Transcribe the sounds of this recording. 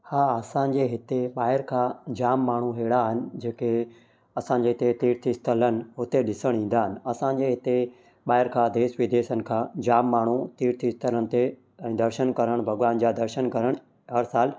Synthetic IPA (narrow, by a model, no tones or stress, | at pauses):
haːɐsãɲd͡ʑeːɦɪt̪eɓaːɦɪɾkʰãːd͡ʑaːmːaːɳ̤uɦeːɽaɦɪnɪ̆d͡ʑeːke | ɐsãɲd͡ʑeːɦɪt̪et̪iːɾt̪ʰist̪ʰələnɪ̆ɦʊt̪eɗɪsəɽ̃ĩːn̆d̪aːɦɪnɪ̆ɐsãɲ̆d͡ʑeːɦɪt̪e | ɓaːɪɾkʰãːd̪eːʃʋɪd̪eːʃənɪ̆kʰãːd͡ʑaːmːaːɳ̤ut̪iːɾt̪ʰist̪ʰələñɪ̆t̪e | ɛ̃ːd̪ɐɾʃənkɐɾəɽ̃bʱɐɡʋaːnd͡ʑaːd̪ɐɾʃənkɐɾəɽ̃ | ɦɐɾsaːl